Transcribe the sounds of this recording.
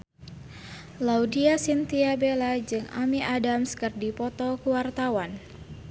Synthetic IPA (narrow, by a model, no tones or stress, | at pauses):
laudiasint̪iabelad͡ʒɨŋa̰miʔadamskɨrdipɔt̪ɔkuwart̪awan